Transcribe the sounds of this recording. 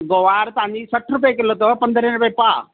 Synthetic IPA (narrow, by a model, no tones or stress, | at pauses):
ɡoʋaːɾt̪ɐʋãɲd͡ʑisɐʈʰɾʊpekɪlot̪opɐ̃nd̪ʱəɾẽnpepa